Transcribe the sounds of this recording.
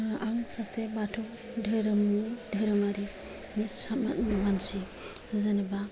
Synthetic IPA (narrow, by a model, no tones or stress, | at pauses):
aŋsasebatʰɔ | dʱəɾɯmnidʱaɾɯmaɾi | misamat̚mamansi | zɯnɯba